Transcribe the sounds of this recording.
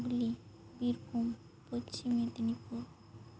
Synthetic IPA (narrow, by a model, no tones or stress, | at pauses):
ɡli | biɾbʱum | pot͡ɕimed̪nipuɾ